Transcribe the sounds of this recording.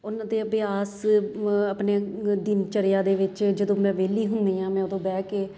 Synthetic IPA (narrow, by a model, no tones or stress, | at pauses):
ʊnãːd̪eːəbɪaːs | əpneːd̪ɪnt͡ʃəɾɪjaːd̪eːʋɪt͡ʃd͡ʒəd̪õːmɛ̃ːʋeːliːɦʊnd̪iːãːmɛ̃ːʊd̪õːbɛːkeː